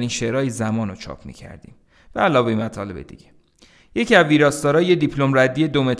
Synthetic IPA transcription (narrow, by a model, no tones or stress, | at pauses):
ɾinʃeɾɒːjizæmɒːnot͡ʃʰɒ̰ːpʰmḭːcʰæ̰ɾd̪ḭːm | væælɒːve̞imæt̪ʰɒːle̞bḛd̪ḭɟ̥e̞ | je̞cʰiæzviːɾɒːst̪ɒːɾɒːjed̪ipʰlomræd̪ːije̞d̪o̞me̞t̪